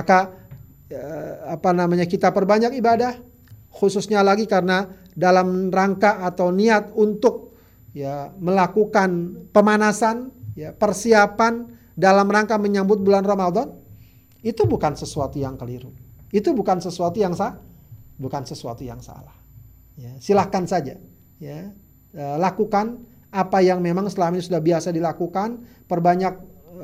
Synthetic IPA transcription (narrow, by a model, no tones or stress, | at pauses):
aka | əapanamaɲakit̪apərbaɲakibadah | xususɲalaɡikarəna | dalamraŋkaːt̪awniat̪unt̪ʊk̚ | jaməlakukanpəmanasanjapərsiapan | dalamraŋkaməɲambʊt̪̚bulanrɔmad̪ɔn | it̪ubukansəsuat̪ujaŋkəliɾuit̪ubukansəsuat̪ujaŋsabukansəsua̰t̪uja̰ŋsa̰lah | jasilahkansad͡ʒa̰ | ja | əlakukan | apajaŋmemaŋsəlaminisudahbiasadilakukan | pərbaɲak̚